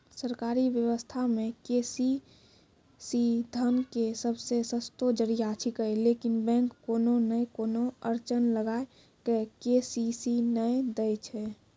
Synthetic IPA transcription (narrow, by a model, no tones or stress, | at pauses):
səɾkaɾiʋjəwəst̪ʰamẽkesi | sid̪ʱənkesəbsesəst̪od͡ʒəɾijat͡ʃʰikəelekinbɛ̃ŋkːoːnonəjkonoəɾt͡ʃənləɡaːe | kekesisinəjd̪əjt͡ʃʰɛ